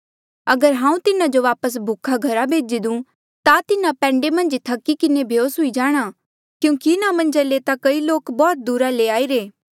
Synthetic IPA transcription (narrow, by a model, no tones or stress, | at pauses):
ɐɡəɾɦãːũt̪ɪnad͡ʒoʋaːpəs̬bʱukʰːaɡʱɐɾabʱeːd͡ʒid̪ũ | t̪at̪ɪnapɛ̃ːɳɖemɐ̃nd͡ʒt̪ʰɐkːikɪnebʱjoːsɦʊid͡ʒaːɽ̃a | kjũːkiɪnamɐ̃nd͡ʒaleːt̪akɐiloːkbɔːt̪̚d̪uːɾaleaːiɾeː